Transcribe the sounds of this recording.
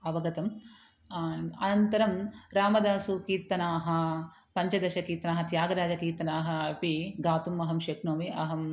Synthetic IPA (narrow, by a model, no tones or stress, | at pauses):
ɐʋɐɡɐt̪ɐm | ɐ̰nɐnt̪ɐɾɐmɾaːmɐd̪aːsukiːt̪ːɐnaːɦɐ̆ | pɐɲt͡ʃɐd̪ɐʃɐkiːt̪ɐnaːɦɐt̪jaːɡɐɾaːd͡ʒɐkiːt̪ɐnaːɦɐpiɡaːt̪umɐɦɐmʃɐknoːmiɐɦɐm